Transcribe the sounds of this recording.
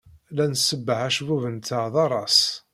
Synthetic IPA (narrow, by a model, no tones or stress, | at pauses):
lænsəbːəʕæʃvuvənt̪aðˤɑɾˤɑs